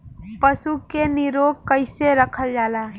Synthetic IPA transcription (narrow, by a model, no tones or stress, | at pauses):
pəsukeniɾoːɡ̚kəɪseɾəkʰəld͡ʒaːla